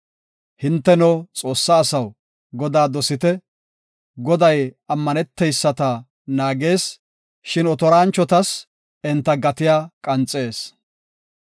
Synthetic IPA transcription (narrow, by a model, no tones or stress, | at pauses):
hɪnt̪ːɛnot͡sʼo̞ːsːaːsɐw | ɡɔd̪aːd̪ɔsɪt̪ɛ | ɡɔd̪ɐjɐmːɐnɛt̪ːɛjsːɐt̪ɐ | naːɡe̞ːs | ʃɪnɔt̪ɔɾaːnt͡ʃːɔt̪ɐs | ɪnt̪ːɐɡɐt̪ɪjaːkʼɐnt͡sʼːe̞ːs